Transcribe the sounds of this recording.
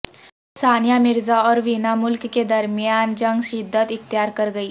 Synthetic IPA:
saːnjamɪɾzaɔːɾʋiːnamʊlkked̪ɐɾmijaːnd͡ʒɐ̃ŋɡʃɪd̪ʱːət̪ɪt̪ːjaːɾkɐɾɡɐiː

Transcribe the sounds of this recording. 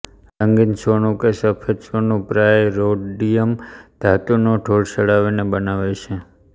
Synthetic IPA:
ləŋɡinsonũkesəpʰesonũpɾajɾoɖɖijəmd̪̥ʱat̪unoʈʰoɭsəɽaʋinebənaʋet͡ʃʰe

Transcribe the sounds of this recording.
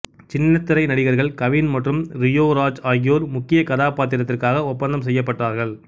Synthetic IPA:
t͡ʃɪnːɐt̪ːɪɾɐɪnɐɽɪɣɐɾɣɐɭkɐʋɪːnmɐʈrɯmɾɪjoːɾaːd͡ʒaːɣɪjoːɾmʊkːɪjɐkɐðaːpaːt̪̬ːɪɾɐt̪ːɪrkaːɣɐʊpːɐnd̪ɐmsɛjːɐpːɐʈraːɾɣɐɭ

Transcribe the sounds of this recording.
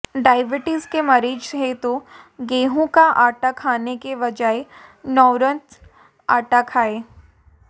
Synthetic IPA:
ɖaːɪʋɪʈiːzkemɐɾiːd͡ʒɦet̪o | ɡeːɦõkaʔaːʈakʰaːnekeʋɐd͡ʒaenɔːɾə̃nt̪ | a̰ːʈakʰaːeː

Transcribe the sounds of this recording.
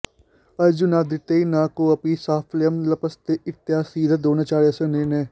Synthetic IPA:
ɐd͡ʒunaːd̪ɪt̪eːinãːkoɐpiːsaːfʰljəmlɐpɐst̪eʔɪt̪ːjaːsiːd̪ʱad̪oːnat͡ʃaːɾjɐsẽneːneː

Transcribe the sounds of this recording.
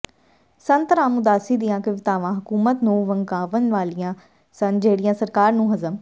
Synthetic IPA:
sɐ̃nt̪ɾãːmʊd̪aːsid̪ijãkɐʋɪt̪aːʋãɦɐkuːmət̪nũːʋɐ̃ŋɡaːʋənʋaːlijã | sɐ̃nd͡ʒeːɽijãːsɐɾkaːɾnũːɦɐzəm

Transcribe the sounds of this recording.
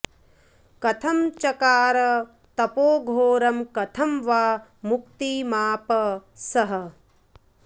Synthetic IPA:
kɐt̪ʰɐmt͡ʃɐkaːɾɐ | t̪ɐpoːɡʱoːɾɐmkɐt̪ʰɐmʋaːmukt̪iːmaːpɐsɐɦɐ̆

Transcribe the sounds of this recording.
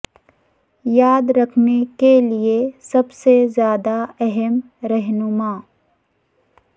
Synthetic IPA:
jaːd̪ɾɐkʰnekeliesɐbsezjaːd̪aɛɦɛm | ɾɛɦnʊmaː

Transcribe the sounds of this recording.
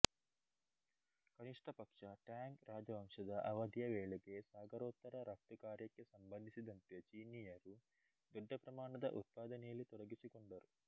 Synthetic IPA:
kɐniʂʈʰɐpɐkʂɐʈaːŋkɾaːd͡ʒɐʋɐmʂɐd̪ɐʔɐʋɐd̪ʱijɐʋeːɭeɡe̞saːɡɐɾoːt̪ːɐɾɐɾɐk̚t̪ukaːɾjɐkːesɐmbɐnd̪ʱisid̪ɐnt̪et͡ʃiːnijɐɾu | d̪uɖʱːɐpɾɐmaːɳɐd̪ɐʔut̪̚paːd̪ɐnɛjɐlːit̪ɔɽɐɡisikɔɳɖɐɾu

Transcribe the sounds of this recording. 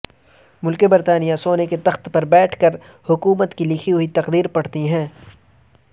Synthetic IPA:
mʊlkebɐɾt̪aːnijasoːneket̪ɐxt̪pɐɾbɛːʈʰkɐɾ | hʊkuːmət̪kilɪkʰiɦʊit̪ɐqd̪iːɾpɐɽ̤t̪iɦɛ̃ː

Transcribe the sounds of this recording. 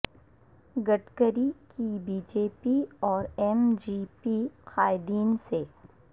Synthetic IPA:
ɡəʈkəɾikibiːd͡ʒeːpiɔːɾɛmd͡ʒiːpixaːɪd̪iːnse

